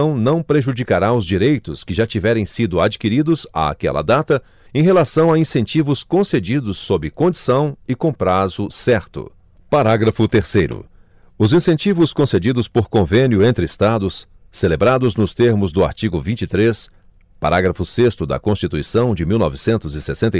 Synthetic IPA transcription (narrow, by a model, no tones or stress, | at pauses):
ɐ̃w̃nɐ̃w̃pɾeʒud͡ʒikaɾaʊzd͡ʒiɾejt̪ʊskɪʒat͡ʃivɛɾẽj̃sid̪ʊad͡ʒikiɾid̪ʊza̰a̰kɛ̰lɐ̰d̪at̪ɐ | ẽj̃ɦelasɐ̃w̃aĩsẽnt͡ʃivʊskõsed͡ʒid̪ʊsːobɪkõd͡ʒisɐ̃w̃ɪkõpɾazʊsɛɾt̪ʊ̰ | paɾaɡɾɐfʊt̪eɾsejɾʊ̰ | ʊzĩsẽnt͡ʃivʊskõsed͡ʒid̪ʊspoɾkõvẽnjʊẽnt̪ɾɪst̪ad̪ʊsː | elebɾad̪ʊznʊst̪eɾmʊzd̪ʊa̰ɾt͡ʃiɡʊvĩnt͡ʃit̪ɾes | pa̰ɾaɡɾɐfʊsest̪ʊd̪ɐ̰kõst͡ʃit̪uisɐ̃w̃d͡ʒɪmiwnɔ̰vɪsẽnt̪ʊzɪsesẽnt̪ɐ